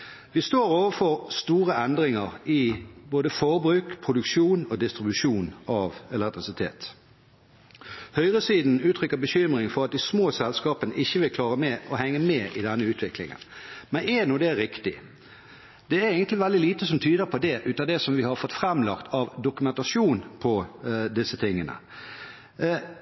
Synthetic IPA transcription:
ʋɪst̪oːʁoːʋəfɔʁst̪uːʁəʔɛnd̪ʁɪŋəʁɪboːd̪əfɔʁbʁʉːkpʰʁʊd̪ʉkʃuːnoːd̪ɪst̪ʁɪbʉʂuːnɑʋɛlɛk̚t̪ʁɪsɪt̪ʰḛːt̪ | hœʏʁəsiːd̪n̩ʉːt̪ʰɾʏkːəbəɕʏmʁɪŋfɔʁɑt̪̚d̪ɪsmoːsɛlskɑːpənəʔɪçːəʋɪlkʰlɑːʁəmɛʔɔhɛŋːəmɛːʔɪd̪ɛnːəʉːt̪ʰʋɪklɪ̰ŋə̰nmɛnɛnuːd̪ɛɾɪkt̪ɪ | d̪̥ɛæɾeɪɡənt̪lɪʋɛld̪ɪliːt̪əsɔmt̪ʰyːd̪əpʰɔd̪ɛʔʉːt̪ɑd̪ɛsɔmʋɪhɑɾfɔt̪fʁɛmlɑkt̪ʰɑʋd̪ʊkʉmɛnt̪ɑsuːnpʰɔd̪ɪsːət̪ʰɪŋːənə̰

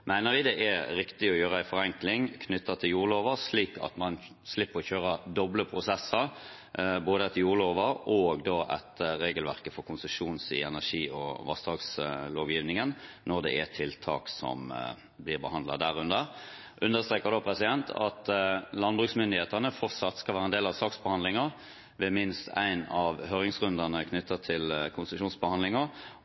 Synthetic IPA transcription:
mæɪnəʁʋɪd̪ɛʔæɾɪkt̪ɪɔjøːʁəæɪfɔʁɛŋklɪŋkʰnʏt̪ːɑt̪ʰɪljuːʁloːʋəsliːkʰɑ̰t̪mɑn | slɪpːəʁɔçøːʁɑd̪ɔbləpʰɾʊsɛsəɾ | boːd̪əɛt̪ʰjuːʁloːʋəɾɔɡd̪oːʔæ̰t̪ɾeːɡəlʋæʁkəfɔkʰʊnsəʂuːnsɪ̰ɛnæʂiːɔʋɑ̰st̪ɑːksloːʋjiːʋnɪŋənnɔd̪ɛ̰æt̪ʰɪlt̪ʰɑ̰ːksɔ̰m | blɪʁbəhɑnd̪lɑ̰d̪æʁʉnd̪əʁ | ʔʉnd̪əʁst̪ɾeːkəʁd̪oːpʰɾɛsɪd̪ɛnt̪ʰɑ̰t̪lɑnbʉːksmʏnd̪ɪheːt̪əʁnəfɔʁt̪sɑt̪skɑlʋæːʁəɛnd̪eːlɑʋsɑːksbəhɑnd̪lɪŋəʁ | ʋɛmɪnst̪ʰæ̰ɪnɑʋhøːɾɪŋsʁʉnd̪ənəkʰnʏt̪ʰːət̪ʰɪlkʰʊnsəʂuːnsbəhɑnd̪lɪŋə

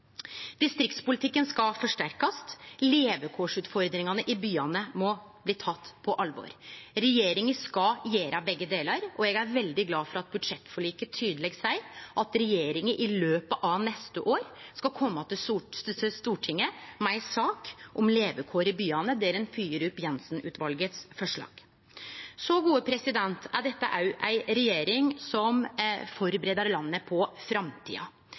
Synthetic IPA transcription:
d̪̥ɪst̪ɾɪk̚t̪spʊlɪt̪ʰɪkːənskɑfɔʂʈæɾkɑsleːʋəkʰoːʂʉːt̪fɔɾd̪ɾɪŋɑnəʔɪbyːɑnəmɔbliːt̪ʰɑt̪ːpʰɔʔɑlʋɔ̰ɾɾɛjeːɾɪŋəskɑjeːɾɑbɛɡːəd̪eːlɑɾɔɛɡæɾʋɛld̪ɪɡlɑːfɔɾɑt̪̚bʉd̪ʂɛt̪ːfɔɭiːkət̪ʰyːd̪əlɛɡsæɪʔɑt̪ɾɛjeːɾɪŋəʔɪløːpəʔɑnɛst̪əʔoːɾskɑkʰɔmːəɑt̪̚d̪ɛsust̪uːʈʰɪŋːəmæɪsɑːkʔɔmleːʋəkʰoːɾɪbyːɑnəd̪ɛɾɛnfyːəɾʉpjɛnsnʉ̰ːt̪ʋɑlɡət̪sfɔʂɭɑ̰ːɡ̥ | sɔɡuːəpʰɾɛsɪd̪ɛnt̪æd̪ɛt̪ːə̰ʔæjʔæɪɾɛjeːɾɪŋsɔmfɔɾbəɾeːd̪əɾlɑnːəpʰɔfɾɑmt̪ʰḭːɑ̰

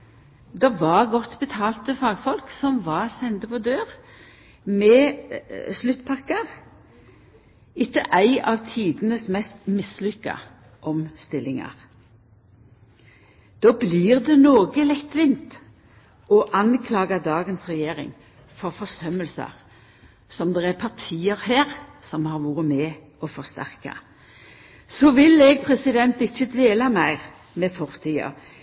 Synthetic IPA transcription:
d̪ɛʋɑʁɡɔt̪ːbət̪ʰɑːlt̪əfɑːɡfɔlksɔmʋɑʁsɛnd̪əpʰɔd̪øːʁ | mɛː | slʉt̪ːpʰɑkːəʁ | ɪkːəʔæɪɑʋt̪ʰiːd̪ənəsmɛst̪mɪslʏkːɑ̰ | ʔɔmst̪ɪlɪŋɑ̰ʁ | d̪̥oːbliːʁd̪ɛnoːɡəlɛt̪ːʋɪnt̪ | ɔʔɑnkʰlɑːɡɑd̪ɑːɡənsʁɛjeːʁɪ̰ŋ | fɔɾfɔʁsœməlsə̰ʁ | sɔmd̪ɛæpʰɑʁt̪ʰiːəʁhæːʁsɔmhɑːɾʋuːɾəmɛː | ɔfɔʁst̪æ̰ʁkɑ̰ | sɔːʋɪlɛɡ̚pʰʁɛsɪd̪ɛnt̪ɪçːəd̪ʋeːlɑmæɪʁ | mɛfɔʁt̪ʰiːɑ̰

